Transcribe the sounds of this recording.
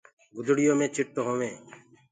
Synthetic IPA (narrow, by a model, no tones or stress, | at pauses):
ɡʊd̪ʱɽɪjõːmẽːt͡ʃʰɪʈːoɦoːʋẽː